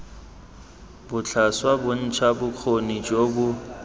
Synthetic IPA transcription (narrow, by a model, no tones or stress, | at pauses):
bʊt͡ɬʰaswabʊn̩t͡ʃʰabʊq͡χʰonid͡ʒʼobʊ